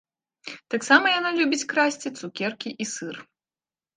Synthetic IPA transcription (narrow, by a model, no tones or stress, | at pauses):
t̪aksamɐjanalʲubʲit͡sʲkɾasʲt͡sʲit̪sukʲɛrkʲiʔisɨr